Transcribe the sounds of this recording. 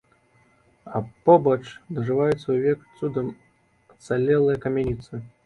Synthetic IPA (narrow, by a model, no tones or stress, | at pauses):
ɐpɔbɐt͡ʂd̪ɐʐɨvajut̪sːɐuvʲɛkt̪sud̪ɐm | ɐt̪salʲɛlˠɨjɐkɐmʲɛnʲit̪sɨ